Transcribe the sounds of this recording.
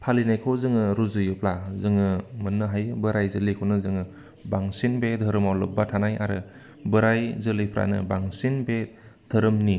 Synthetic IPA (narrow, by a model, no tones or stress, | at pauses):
pʰalinajkʰowzɯŋɯɾuzɯjɯp̚lazɯŋɯmɯnːɯɦajɯbɯɾajzɯlikʰɔnɯzɯŋɯ | baŋsinbedʱɯɾɯmawlɯ̰batʰanaja̰ɾɯ | bɯɾajzɯlɯjpʰɾa̰nɯ̰baŋsinbe | dʰʱəɾɯmni